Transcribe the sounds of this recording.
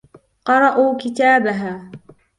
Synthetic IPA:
qɑɾˤɑʔuːkɪt̪aːbaɦaː

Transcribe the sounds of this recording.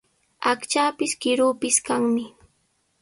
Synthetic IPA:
akt͡ʃaːpɪskɪɾuːpɪskaŋmɪ

